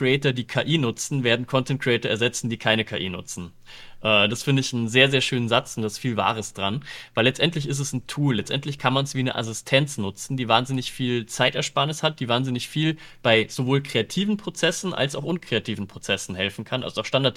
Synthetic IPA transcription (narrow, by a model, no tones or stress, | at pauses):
kʁiɛːtɐdiːkʰaːʔiːnʊt͡sn̩veːɐdn̩kʰɔntɛnt̚kʁiɛːtɐɛɐzɛt͡sn̩diːkʰaɪnəkʰa̰ːʔḭːnʊ̰t͡sn̩ | ʔɛːd̥asfɪndəɪçn̩zeːɐzeːɐʃøːnənzat͡sʊntd̥asfiːlva̰ːʁ̞əsd̥ʁanvaɪlɛt͡stʔɛntlɪç̬ɪs̬tɛsn̩tʰuːllɛt͡stʔɛ̰ntlɪçkʰanmansv̥iːnə̰ʔa̰sɪstʰɛnt͡snʊt͡sn̩diːvaːnzɪnɪçfiːlt͡saɪtɛɐʃpaɐnɪshat̚d̥iːvaːnzɪnɪçfiːl | b̥aɪz̥ovoːlkʁ̥eatʰiːvn̩pʁ̥ot͡sɛsn̩ʔa̰lsaʊxʔʊnkʁ̥eatʰiːvn̩pʁ̥ot͡sɛsn̩hɛlfn̩kʰanʔa̰lzoaʊxʃtandaɐt